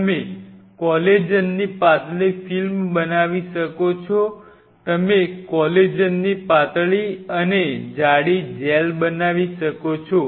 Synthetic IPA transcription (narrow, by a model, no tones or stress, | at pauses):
əmekɔled͡ʒənːipat̪ɭifilmbənaʋiʃəkot͡ʃʰɔ | t̪əmekɔled͡ʒənːipat̪ɭiəned͡ʒaɽid͡ʒelbənaʋiʃəkot͡ʃʰɔ